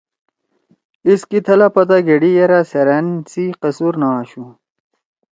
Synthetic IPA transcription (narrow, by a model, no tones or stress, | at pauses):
iskit̪ʰɐlɐpɐt̪aɡeɽijɐɾaseɾɐnsiqɐsuɾnaɕu